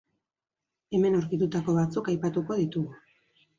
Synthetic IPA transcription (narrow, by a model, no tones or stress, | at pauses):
e̞me̞nowɾkit̪ut̪ako̞βat͡sukajpat̪uko̞ðit̪uɣu